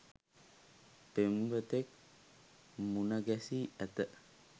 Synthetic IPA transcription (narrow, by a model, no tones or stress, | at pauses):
pemubət̪ek̚ | munaɡasiat̪əʔ